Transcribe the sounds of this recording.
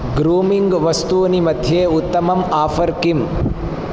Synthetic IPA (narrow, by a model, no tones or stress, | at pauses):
ɡɾuːmiŋɡʋɐst̪uɐnimɐd̪ʱjeːut̪ːɐmɐmaːfɐɾkim